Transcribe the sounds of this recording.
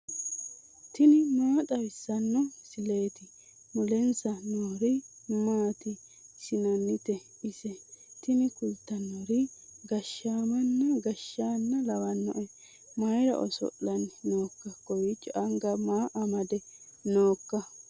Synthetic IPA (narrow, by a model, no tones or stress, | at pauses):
t̪ɪnɪmaːt̪ʼɐwɪsːɐnːɔsɪle̞ːt̪ɪ | mʊlɛnsɐnoːɾɪ | maːt̪ɪ | sɪnɐnːɪt̪ɛ | ɪsɛt̪ɪnɪkʊlt̪ːɐnoɾɪɡɐʃːaːmɐnːɐɡɐʃːaːnːɐlɐwɐnːɔ̰ʔɛ | mɐjɾɐ̰ʔɔ̰sɔ̰ʔːɐnnoːkːɐkɔwit͡ʃʼːɔʔɐŋɡɐmaːʔɐmɐd̪ɛnoːkːɐ